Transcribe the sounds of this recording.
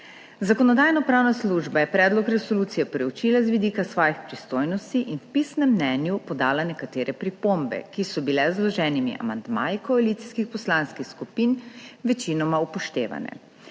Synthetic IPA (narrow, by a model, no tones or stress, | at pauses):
zakɔnɔd̪aːjnɔpɾaːwnasluʒbajɛpɾɛːd̪lɔkɾɛsoluːt̪sijɛpɾɛwt͡ʃiːlazʋid̪iːkasʋɔːjixpɾist̪ojnɔst̪iʔinwpisnɛmːnɛnjupɔd̪aːlanɛkat̪eːɾɛpɾipombɛ̰kisɔbilɛzlɔʒɛːnimḭʔa̰mand̪ma̰ːjikɔaliːt̪si̥skixpɔslaːnskixskupiːnʋɛt͡ʃinɔmaupɔʃt̪ḛːʋa̰nɛ̰